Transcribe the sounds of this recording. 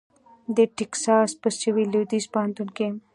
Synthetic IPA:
d̪eʈiksaːspɐst͡ʃiʋiluwd̪ispaːnt̪unkem

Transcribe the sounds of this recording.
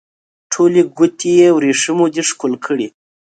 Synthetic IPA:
ʈʰoliɡʊt̪ʰijewɾiʂimod̪iʂkulkʰəɽi

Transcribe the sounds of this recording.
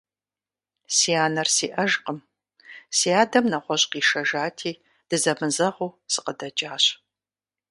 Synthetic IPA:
siːaːnɐrsiːʔɐʒqəm | siːaːdɐmnɐʁʷɔɕʼqiːʃɐʒaːtʰiː | d̥ɨzɐmɨzɐʁuːsɨqədɐd͡ʒʼaːɕ

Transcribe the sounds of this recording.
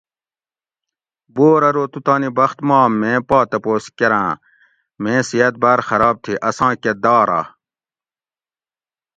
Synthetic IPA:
boːɾɐɾoːt̪ut̪ɑːnibɐxt̪mɑːmːẽːpɑːt̪ɐpoːskeɾãː | mẽːsijɐt̪̚baːɾxɐɾɑːb̚t̪ʰiʔɐsɑ̃ːked̪ɑːɾa̰ː

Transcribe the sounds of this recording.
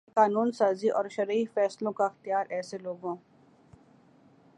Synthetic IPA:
qaːnuːnsaːziʔɔːɾʃɐɾiːfɛːslõkaxt̪ijaːɾʔɛːseloːɡõː

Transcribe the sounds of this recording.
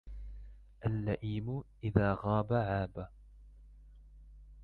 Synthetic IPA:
ʔalːaʔiːmʊʔɪðaːɣɑːbaʕaːba

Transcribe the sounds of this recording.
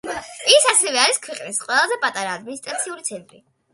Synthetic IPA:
isasɛvɛaɾiskʰwɛqʼnisqʼwɛlˠazɛpʼat̪ʼaɾaːd̪minist̪ʼɾat̪sʰiulit̪sʰɛnt̪ʼɾi

